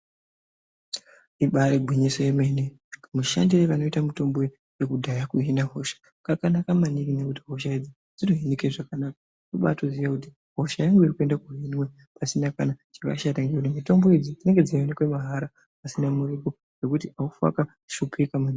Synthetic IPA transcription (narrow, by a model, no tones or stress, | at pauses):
iɓaɾeɡʱwiɲiso̞jemene | muʃa̰ndireʋano̞itamuto̞mbo̞ | je̞kudʱajakuɦinaɦo̞ʃḁ | kakanakamanikinekutiɦo̞ʃ̬aid͡zi | d͡zinoɦenekʐakanakḁ | nuɓa̰toziʋakut̬i̥ | ɦo̞ʃajaŋɡeiɾikue̞ndakuɦinwe̞ | pasinakanat͡ʃaka̰ʃataŋɡekutimito̞mbo̞id͡zid͡zine̞ŋɡe̞d͡zaenekwemaɦaɾa | asinamuɾiko | ɡe̞kutiʔaufa̰ka | ʃupʰikamani